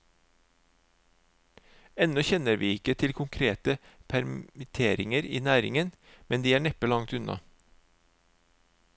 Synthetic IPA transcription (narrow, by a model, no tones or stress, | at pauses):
ɛnɔçɛnəɾʋiːɪkət̪ʰɪlkʰʊŋkʰɾeːt̪əpʰæɾɪt̪ʰeːɾɪŋəɾḭːnæːɾɪ̰ŋən | mɛnd̪iːæːɳɛpəlɑŋt̪ʉnɑ̰